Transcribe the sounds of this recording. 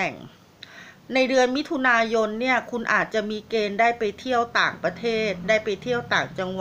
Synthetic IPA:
ɛ˨˩ŋ | na˧jdɯ˧ənmi˦˥t̪ʰu˧naː˧jo˧nːi˥˩ɐkʰu˧nʔa̰ː˨˩t̪̚t͡ɕa˨˩ʔmiː˧keː˧ndaː˥˩jpa˧jt̪ʰi˥˩əwt̪aː˨˩ŋpɾa˧t̪ʰeː˥˩t̪̚daː˥˩jpa˧jt̪ʰi˥˩əwt̪aː˨˩ŋt͡ɕa˧ŋwa˨

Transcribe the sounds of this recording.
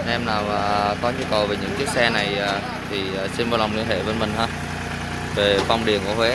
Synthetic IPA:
ʔɛ˧mnaː˨˩waː˨˩t̪ɔ˨˦ɲɨ˧˦kə˨˩wve˨˩ɲɨ̰˧˥ŋkaː˨˦jsɛ˧na˨˩jaː˨˩ | t̪ʰi˨˩˨si˧nva˧˩wla˨˩ŋ͡mli˧˦hḛ˧˩vəː˨˦jmï˨˩ŋ̟ɦaː˧ | ve˨˩va˧wŋ͡mɗi˨˩ənku˧˩əɦwe˨˦

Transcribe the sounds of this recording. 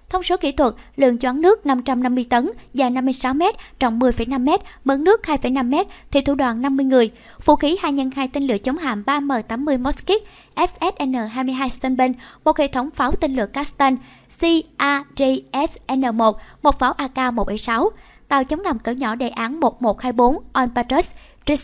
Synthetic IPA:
t̪ʰə˧wŋ͡mso˨˦kḭ˧˥t̪ʰwə˨˩t̚lɨ̰˧˨əŋt͡ɕwaː˨˦nnɨ˦˥ək̚na˧mt͡ɕa˧mna˧mːɨ˧əjt̪ə˨˦nvaː˨˩na˧mːɨ˧əjsa˨˦wmɛ˦˥t̚t͡ɕɔ̰˧˩wŋ͡mmɨ˨˩əjfə˧˩jna˧mːɛ˦˥t̚mə˨˦nnɨ˦˥ək̚haː˧jfə˧˩jna˧mːɛ˦˥t̚t̪ʰḭ˧˩t̪ʰṵ˧˩ɗwaː˧˨˩nːa˧mːɨ˧əjŋɨ˨˩əj | fṵ˧˥xi˨˦haː˧˩ɲə˧˩nhaː˧jt̪i˧ŋ̟lɨ̰˧˨ət͡ɕə˨˦wŋ͡mɦa̰ː˧˨ŋɓaː˧məː˨˩jt̪aː˨˦mːɨ˧əjmɔ˦˥ski˦˥k̚ | ʔɛ˦˥sʔɛ˦˥t̚ʔɛ˧nəː˨˩ɦaː˧jmɨ˧əjɦaː˧jst̪ə˧nɓi˧ŋmo˨˩t̚hḛ˧˨t̪ʰə˨˦wŋ͡mfaː˨˦wt̪i˧ŋ̟lɨ̰˧˨əkaː˨˦˥st̪a˧n | si˧ʔaː˧ze˧ʔɛ˦˥sʔɛ˧nəː˨˩mo˨˩t̚mo˨˩t̚faː˨˦wʔaː˧kaː˧mo˨˩ɓə˧˩jsa˨˦w | t̪a̰ː˧˨wt͡ɕə˨˦wŋ͡mŋa˨˩ŋ͡mkə̰˧˩ɲɔ˧˩ɗḛ˧˨˩ʔaː˨˦nmo˨˩t̚mo˨˩t̚haː˧jɓo˨˦nʔɔ˧npaː˧t͡ɕə˦˥s | zi˦˥s

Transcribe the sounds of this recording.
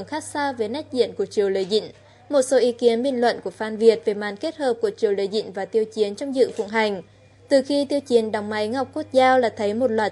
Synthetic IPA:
ŋxaː˦˥k̚saː˧ve˨˩nɛ˦˥k̟̚zḭ˧˨ənku˧˩ət͡ɕi˨˩əwləː˨˦jzḭ˧˨ŋ̟ | mo˨˩t̚so˨˦ʔi˨˦ki˨˦ənɓḭ˧˨ŋ̟lwə̰˧˨nku˧˩əfaː˧nvi˨˩ət̚ve˨˩ma̰ː˨˩nke˦˥t̚həː˨˩p̚ku˧˩ət͡ɕi˨˩əwləː˨˩˦jzḭ˧˨ŋ̟vaː˨˩t̪i˧əwt͡ɕi˨˦ənt͡ɕɔ˧wŋ͡mzɨ̰˧˨fʊ̰˧˥ŋ͡mɦa˨˩jŋ̟ | t̪ɨ˨˩xi˧t̪i˧əwt͡ɕi˨˦ənɗa˨˩wŋ͡mma˨˦jŋa˨˩wk͡p̚ko˦˥t̚zaː˧wlaː˨˩t̪ʰə˨˦jmo˨˩t̚lwaː˨˩

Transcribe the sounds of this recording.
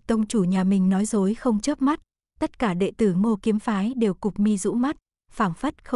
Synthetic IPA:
t̪ə˧wŋ͡mt͡ɕu˧˩ɲaː˨˩mï˨˩ŋ̟nɔ˨˦jzo˨˦jxə˧wŋ͡mt͡ɕə˦˥p̚ma˦˥t̚ | t̪ə˦˥t̚kaː˧˩ɗḛ˧˨t̪ɨ˧˩mo˧ki˨˦mfaː˨˦jɗe˨˩wkʊ˨˩k͡p̚mi˧zṵ˧˥ma˦˥t̚ | faː˧˩ŋfə˦˥t̚xə˧

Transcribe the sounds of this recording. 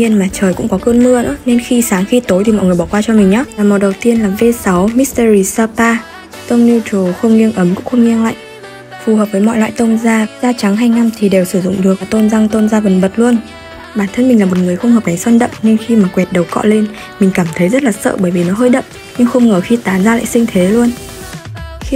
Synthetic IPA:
ɲi˧ənmaː˨˩t͡ɕəː˨˩jkʊ̰˧˥ŋ͡mkɔ˨˦kəː˧nmɨ̰˧ənɨ̰˧˥ne˧nxi˧saː˨˦ŋxi˧t̪o˨˦jt̪i˨˩mɔ̰˧˨ŋ˨˩əjɓɔ˧˩kwaː˧t͡ɕɔ˧mi˨˩ŋ̟ɲɔ˨˦laː˨˩mo˨˩ɗə˨˩wt̪i˧ənlaː˨˩ve˧sa˨˦wmi˦˥st̪ə˧ɾi˧˩saː˧paː˧ | t̪ə˧wŋ͡mni˧t͡ɕo˨˩xə˧wŋ͡mŋi˧əŋʔə˨˦mkʊ̰˧˥ŋ͡mxə˧wŋ͡mŋi˧əŋla̰ː˧˨jʔ | fu˨˩həː˨˩p̚vəː˨˦jmɔ̰˧˨jlwa̰ː˧˨jt̪ə˧nzaː˧zaː˧t͡ɕa˨˦ŋɦaː˧jna˧mt̪ʰi˨˩ɗe˨˩wsɨ˧˩zʊ̰˧˨ŋ͡mɗɨ˨˩ək̚vaː˨˩t̪o˧nza˧ŋt̪o˧nzaː˧və˨˩nɓə˨˩t̚lu˧ən | ɓaː˧˩nt̪ʰə˧˦nmï˨˩ŋlaː˨˩m˨˩t̚ŋɨ˨˩əjxə˧wŋ͡mhəː˨˩na˨˦jswa˧nɗə̰˧˨ŋ͡mɲɨ˧ŋxi˧maː˨˩kwɛ˨˩t̚ɗə˨˩wkɔ̰˧˨le˧n | mï˨˩ŋ̟kaː˧˩mt̪ʰə˨˦jzə˦˥t̚laː˨˩sə̰ː˧˨ɓəː˧˩jvi˨˩nɔ˨˦ɦəː˧jɗə̰˧˨ʔ | ɲɨ˧ŋxə˧wŋ͡mŋəː˧˩xi˧t̪aː˨˦nzaː˧la̰ː˧˨jsï˧ŋ̟t̪ʰe˨˦lu˧ən | x

